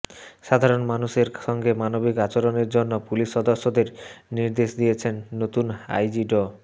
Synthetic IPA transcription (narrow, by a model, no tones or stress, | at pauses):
ʃad̪ʱaɾonmanuʃeɾʃɔŋɡemanobikat͡ɕoɾoneɾd͡ʑonːopuliʃːɔd̪oʃːod̪eɾniɾd̪eʃd̪ijet͡ɕʰenːot̪una̰jd͡ʑiɖo